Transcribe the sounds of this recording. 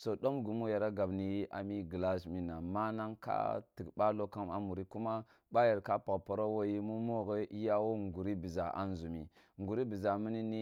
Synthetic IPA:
so˨ɗo˦mɡu˨mu˦ja˨ɾa˦ɡa˨bni˨˦a̰˨mi˦ɡə˨la˦ʃmi˨na˨ma˦na˦ŋka̰˦ti˨ɡɓa˦lo˦ka˦ma̰˨mu˨ɾi˦ku˦ma˦ | ɓa˦ja˨ɾka˦pa˨pa˨ɾo˦wo˦ji˦mu˦mo˦ɣe˦i˦ja˦wo˦ŋɡu˨ɾi˦bi˨za˨ʔa̰˨˦n˦zu˨mḭ˨ | ŋɡu˨ɾi˦bi˨za˨mi˦ni˦ni˦

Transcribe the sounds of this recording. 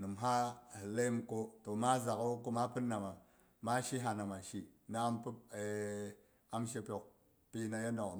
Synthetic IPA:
nɨ˨mɦa˦hɨ˨le˦mko˧to˨ma˦za˨ka˦ko˧ma˦pɨ˦nːa˨ma˨ | ma˦ʃi˦ɦa˧na˨ma˨ʃi˦na˨˦mpɨ˦e˨ | a˦mʃe˧pʲo˨k̚ | pi˦na˧ja˦no˨k

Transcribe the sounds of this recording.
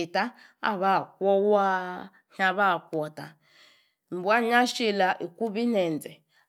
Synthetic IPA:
ta˦ | a̰˦˨βa˦˨kʷɔ˦wa˦ | ha˦βa˦˨kʷɔ˨ta˨ | m˨bu˨˦a˦ɲa˦ʃi˦˨la˨ʔi˨ku˦βi˦nɛ˨nd͡zɛ˨

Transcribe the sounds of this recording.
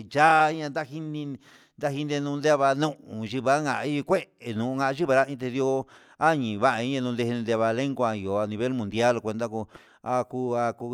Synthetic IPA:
ʒa˦˧˦ɲã˧nd̪a˦hi˦nĩ˧ | nd̪a˦hi˧nd̪e˧nũ˧nd̪e˦˧βa˧nũ˦˧ʔũ˨ʒi˧βa˦ŋa˨˧i˦i˧kʷe˦e˨nũ˨ũ˧ŋa˧ʔʒi˦βa˧ɾa˦ĩ˧t̪̬e˧ðjo˧ | a˦˨ɲĩ˨βa˦ʔa˧i˦ã˧nũ˧d̪ẽ˧nd̪e˧βa˧le˦ŋɡʷa˧i˨o˨a˧nĩ˧βe˦lmũ˨nd̪ja˦lkʷe˧nd̪a˦ku˧ | a˧ku˧a˧ku˧

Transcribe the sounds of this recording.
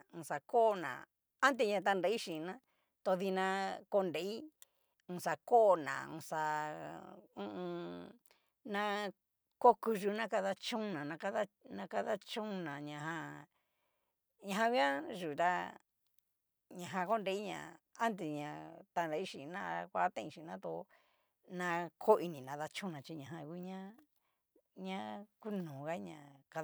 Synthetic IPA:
ũ˧sa˨ko˦˧nã̰˨ | a˦nd̪e˧ɲã˧t̪̬a˧nɾa˧˦i˦ʃi˨˧nã˦ | t̪o˧ði˧nã˧ko˧nde˧˦i˦ | ũ˧sa˧ko˦˧˨nã̰˨ṵ̃˧sa˧ | ũ˧ʔũ˧ | nã˧ | ko˦ku˧ʒu˧nã˦ka˧ða˧t͡ʃũ˦˧nã˨nã˧ka˦ða˦nã˧ka˧ða˦t͡ʃũ˦˧nã˨ɲã˨ɦã˧ | ɲã˧ɦã˧ɡʷi˦ã˦ʒu˨t̪a˦ | ɲã˨ɦã˧ko˦nɾe˧i˦ɲã̰˨a˦nd̪i˨ɲã˨t̪a˧˨nɾa˧i˦ʃi˨nã˦˧kʷa˧˦t̪ẽ˦ĩ˧ʃĩ˨nã˦t̪o˧ | nã˧kʰo˦˧i˧nĩ˨nã˧ða˧t͡ʃũ˦nã˨t͡ʃi˧ɲã˨ɦã˧ki˧˦ɲã˦ | ɲã˦ku˦nũː˨ɣa˦ɲã̰˨ka˧

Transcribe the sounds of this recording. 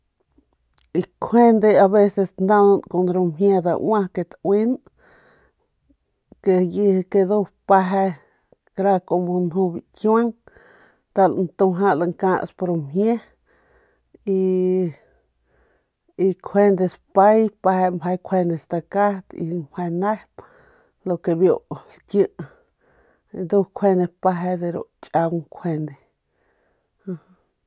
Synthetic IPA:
i˧kʰe˦nd̪e˧a˧βe˧se˧snd̪a˧na˧nko˧˨nɾo˧mɦje˧d̪a̰˧ʔwã˦ke˧t̪wi˦n | ke˧ji˧ke˧d̪o˧pa˧ɦe˧ | kɾa˧ko˨mo˧nhũ˧bi˨kja˦ŋ | d̪̥a˧lnt̪u˧ɦã˦ʔla˧ŋkã˧ʔspo˧ɾo˧mhje˦ | i˧ | i˧kʰe˦˧nd̪e˧spa˦jpa˧he˧mbʰa˧jkʷʰe˧ne˧st̪a˧ka˦t̪ḭ˧mpha˧na˦hp | lo˧˨ke˧bjo˧ʔlkjɨ˧ʔ | d̪u˦kʷʰwe˧ne˧pa˧ɦe˧d̪e˧ɾo̰˧ʔt͡ʃʼa˧wkʷʰe˧nd̪e˧ | ha˧h

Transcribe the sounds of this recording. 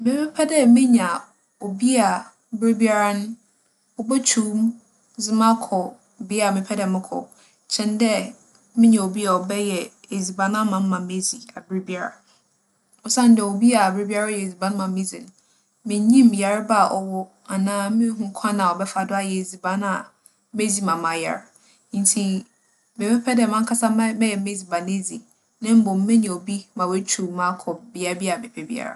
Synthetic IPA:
mɪ̃˦mɛ̃˦pʰɛ˦dɛ˦mɪ̃˦ɲ˨a˨ | o˨bi˦a˨ | bɪ˦ɾi˦bi˦a˦ɾa˦nʊ̃˦ | ɔ˨bɛ˦tʰuː˦˨˦m | zɪ˦mã˦kʰɔ˨ | bɪ˦a˨mɪ̃˨˦pʰɛ˦dɛ˨mɪ̃˦kʰɔ̰˨ | t͡ɕʰɛ̃˨n˦dɛ˦ | mɪ̃˦ɲɛ̃˨o˨bi˦a˨ɔ˨bɛ˦jɛ˨e˨zi˨bã˨nã˦mã˨m̩ː˦ã˨me˦zi˨a˨bɪ˦ɾi˦bi˦a˦ɾa̰˨ | ɔ˨sã˦n̩˦dɛ˨o˨bi˦a˨bɪ˦ɾi˦bi˦a˦ɾa˦jɛ˨zi˨bã˦n˦mã˨mɪ̃˦zi˨ñ˨ | mɪ̃˨˦ɲĩ˦mja˨ɾɪ˦ba˦˨ʔɔ˨wɔ˦ | a˨nãː˨˦mɪ̃˦ɦũ˦kʷʰã˦nã˨ɔ˨bɛ˦fa˨dʊ˦a˦˨jɛ˨e˨zi˨bã˨˦na˨ | me˦zi˨˦mã˨mã˨ja̰˨ɾ | n̩˦tʰi˨ | bɛ˨pʰɛ˦pʰɛ˦dɛ˨mã˦ŋ̩˦kʰa˦sa˦m˦mɛ̃˦jɛ˨me˦zi˨bã˨ne˦zi˨ | nɪ̃˦m̩˦bʊ̃˨m̩˦mɛ̃˦ɲɛ̃˨o˨bi˦mã˨wɛ˦t͡ɕʰu˨mã˦kʰɔ˨bi˨a˦bi˦a˨bɛ˨pʰɛ˦bḭ˦a̰˦ɾa̰˨

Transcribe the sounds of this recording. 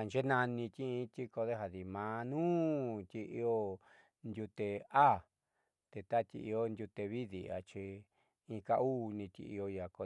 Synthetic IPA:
a˨nd͡ʒe˦nã˧nĩ˧t̪i˦ĩ˧˦t̪i˦ko˧ðe˦ɦa˨ði˨mã˧nũː˦t̪ʲi˧ʔi˧o˧ | ndʲu˧t̪e˧a˦ | t̪e˧t̪a˦t̪ʲḭ˧ʔi˧o˦˧ndʲu˧t̪e˧βi˦ðḭ˨a̰˨t͡ʃi˧ | ĩ˧ka˧u˦nĩ˧t̪ʲḭ˧ʔḭ˧o˧ja˨ko˧

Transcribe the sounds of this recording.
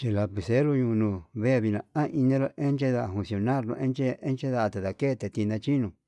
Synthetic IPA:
t͡ʃi˧la˧pi˨se˦ɾu˧ɲũ˧nũ˧βe˦˨βi˧nã˨ã˦ʔi˧nĩ˦ɾo˧ʔe˦nt͡ʃe˦ða˧˨a˧˨hũ˧nsi˧o˧nã˦˨ɾnõ̰˧ʔe˦nt͡ʃe˦e˦nt͡ʃe˦ða˧ʔa˧t̪e˨ða˧ke˦˧t̪e˧t̪i˧nã˧t͡ʃi˦nũ˧

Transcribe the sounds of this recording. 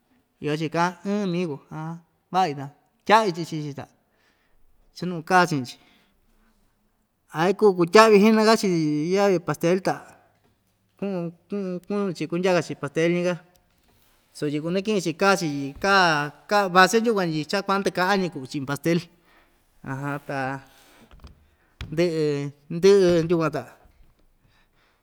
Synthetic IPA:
i˧o˧t͡ʃi˧kã˧˦ɨ̃ː˦˧mĩ˦ko˧ã˧ | βa˦˨i˧t̪a˧ | tʲa˦ʔβi˧t͡ʃi˧t͡ʃi˧t͡ʃi˧t̪a̰˨ | t͡ʃa˦nũ˧kaː˦˨t͡ʃĩ˧t͡ʃi̥˧ | a˨˧i˦kuː˦˨˧k̬u˧tʲa˦ʔβi˧ɦi˦nã˧ka˦t͡ʃi˧ja˦βi˧pa˧st̪e˧˦lt̪a˨ | kũ˦ʔkũ˦˧kũ˦ñ˧t͡ʃi˧ku˧ndʲa˦ka˧t͡ʃi˧pa˨st̪e˦lɲĩ˧ka˦ | so˧˨ji˧ku˧nẽ˦k̬ĩ˦ĩ˧t͡ʃi˧ka˦˨t͡ʃi˧ji˧ka˦ka˦˧βa˧se˦nd̪ʲu˦kʷã˧i˧t͡ʃa˦kʷa˧˦nd̪ɨ˧ka˦a˦ɲĩ˧ku˧˨˧t͡ʃĩ˧˨˧pa˧st̪e˦l | ã˧ɦã˧t̪a˨ | nd̪ɨ˦ʔɨ˧nd̪ɨ˦ʔɨ˧nʲu˦˧kʷã˧t̪a˨

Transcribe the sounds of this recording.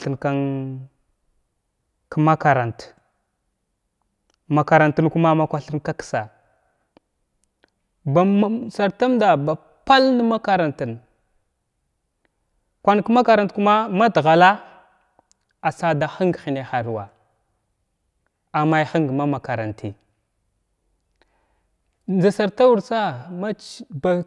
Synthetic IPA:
ɬə˨nka˦n | kə˦ma˦ka˨ɾa˨nt | ma˨ka˨ɾa˨ntə˦nku˦ma˦ma˦kʷa˦ɬə˦nka˦ksa˨ | ba˨m˦sa˨ɾta˦mda˨ba˨ | pa˦lnə˦ma˦ka˨ɾa˨ntə˨n | kʷa˨n˨kma˦ka˨ɾa˨ntku˦ma˦ma˦dɣa˨la˦ | a˨sa˦da˨xi˦ŋɡxi˨ne˨xa˨ɾwa̰˨ | a˨ma˦˨xi˦ŋɡma˦ma˨ka˨ɾa˨nti˨ | nd͡ʒa˨sa˨ɾta˦wu˨ɾt͡sa˦ma˦ba˨

